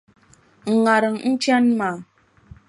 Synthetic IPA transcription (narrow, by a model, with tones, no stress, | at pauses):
ŋ̩˨ŋa˨ɾə˨ŋn̩˦t͡ʃja˦nma˨